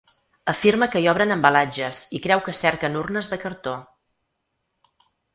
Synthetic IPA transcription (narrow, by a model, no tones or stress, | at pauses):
əfiɾməkəiɔβ̞ɾənəmbəlad͡ʒəzikɾɛwkəsɛɾkənurnəzðəkəɾt̪o